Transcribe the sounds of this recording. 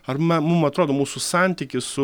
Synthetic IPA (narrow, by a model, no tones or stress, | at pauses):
ɐrmɐmʊmɐt̪ɾoːd̪oːmuːsʊsɑnʲt̪ʲiːkʲɪssʊ